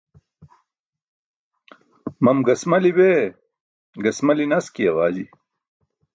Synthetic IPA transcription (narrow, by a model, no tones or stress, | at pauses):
mɐmɡɐsmɐlibe | ɡɐsmɐlinɐskijɐwaːd͡ʑi